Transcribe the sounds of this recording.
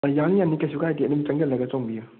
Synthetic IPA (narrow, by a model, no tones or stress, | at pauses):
jaŋjanːikɐsukaajtinɯmt͡ʃaŋɡɛlːɐɡɐt͡ʃɔŋbiju